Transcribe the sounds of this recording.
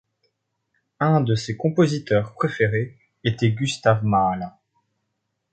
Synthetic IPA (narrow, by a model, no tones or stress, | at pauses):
ɛ̃d̪əsekɔ̃pozit̪œʁpχefeʁe | et̪ɛɡʲyst̪avmalɛ̃